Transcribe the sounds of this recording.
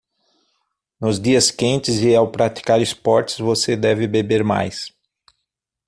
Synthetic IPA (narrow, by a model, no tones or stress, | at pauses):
nʊzd͡ʒiɐskẽnt͡ʃɪzɪawpɾati̥kaɾɪspɔɾt͡ʃɪ̥zvosed̪ɛvɪbebeɾma̰js